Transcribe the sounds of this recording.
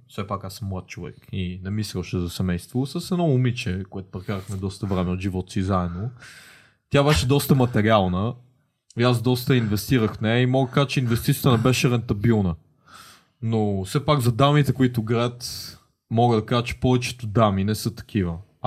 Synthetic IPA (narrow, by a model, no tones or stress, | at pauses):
fsɛpakasːəmːlˠat̪̚t͡ʃovɛ̰kinɛmislʲəʃɛzɐsɛmɛjst̪vosəsɛd̪ɔumit͡ʃɛkoɛt̪ʊ̥pɾɛkaɾəxmɛd̪ɔst̪ɐvɾɛmɛot̪ʒivɔt̪sizaɛd̪no | t̪ʲjabɛʃɛd̪ɔst̪əmɐt̪ɛɾialˠnə | ias̬d̪ɔst̪əinvɛst̪iɾəxnɛɛimɔɡ̪kaʒət͡ʃɛinvɛst̪it̪ʲjət̪ənɛbɛʃɛɾɛnt̪ɐbilˠnə | nosɛpaɡzɐd̪amit̪ɛkʊit̪ʊɡɾɛt̪ | mɔɡəd̪ɐkaʒət͡ʃɛ̥pɔvɛt͡ʃɛ̥t̪ʊd̪aminɛsɤt̪ɐ̥kʰivə